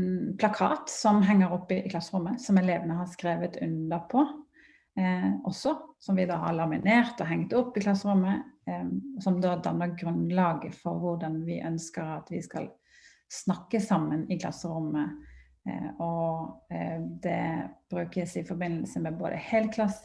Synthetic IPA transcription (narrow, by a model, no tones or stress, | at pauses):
npʰlɑkʰɑ̰ːt̪sɔmɦɛŋːəɾɔpːɪkʰlɑsːəɾʊmːəsɔmɛleːʋənəɦɑskɾeːʋət̪ʉ̰nd̪əpʰɔ | ʔɔsːɔsɔmʋɪd̪ɑːɦɑ̰ɾlɑmɪneːɾt̪ɔɦɛŋt̪ɔpːɪkʰlɑsəɾʉmːə | sɔmd̪oːd̪ɑnəɡɾʉnlɑːɡəfɔɾʋʊʁɖ̪ɑnʋɪʔœnskəɾɑt̪ʋɪskɑ̰l | snɑkːəsɑmːənɪkʰlɑ̰sːəɾʊmːə | ɔ | d̪ɛ̰b̥ɾʉːkəsɪfɔɾbɪnːəlsəmɛbo̰ːd̪ə̰hɛːlkʰlɑs